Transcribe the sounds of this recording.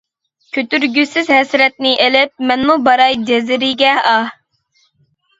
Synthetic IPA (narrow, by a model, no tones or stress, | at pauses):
kʲʰøt̪yɾɡʲysɪzɦɛsɾɛt̪̚nɪʔelɪp̚mɛnmubɑɾɑjd͡ʒɛzɪɾɪɡʲɛɑ